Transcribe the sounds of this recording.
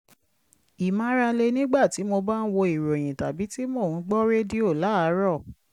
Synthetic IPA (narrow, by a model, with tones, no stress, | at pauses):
i˨mã˧˦ɾa˧le˧nĩ˦ɡ͡ba˦˨ti˨˦mo˧ba˦n̩˦wo˧i˨ɾo˨j̃ĩ˨ta˨bi˨˦ti˦mo˦˨ũ˨˦ɡ͡bɔ˦ɾe˦di˦o˦˨la˨˦a˨˦ɾɔ˦˨